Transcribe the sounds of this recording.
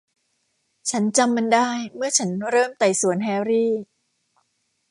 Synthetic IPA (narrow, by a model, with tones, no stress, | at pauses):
t͡ɕʰa˦˥nt͡ɕa˧mːa˧ndaː˥˩jmɯ˥˩ɐt͡ɕʰa˦˥nɾɤː˥˩mt̪a˨˩jsu˨˩˦ənɦɛː˧wɾiː˥˩